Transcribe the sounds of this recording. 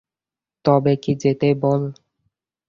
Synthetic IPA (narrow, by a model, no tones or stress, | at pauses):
t̪ɔbekid͡ʑet̪ebol